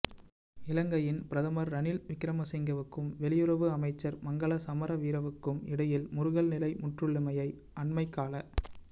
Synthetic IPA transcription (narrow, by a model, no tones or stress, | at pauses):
ɪlɐŋɡɐjɪnpɪɾɐðɐmɐɾːɐnɪlʋɪkɪɾɐmɐsɛŋɡɐʋɯkːɯmʋɛlɪjɯɾɐʋɯɐmɐɪt͡ʃːɐɾmɐŋɡɐɭɐsɐmɐɾɐʋiːɾɐʋɯkːɯmɪ̰ɽɐjɪlmʊɾʊɣɐɭnɪlɐɪmʊʈrɯɭːɪmɐjɐɪ | ɐɳmɐɪkːaːlɐ